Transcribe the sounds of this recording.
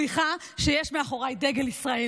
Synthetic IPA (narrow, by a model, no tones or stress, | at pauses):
iχa | ʃejeʃmeaχo̞ʁajd̪eɡelisʁae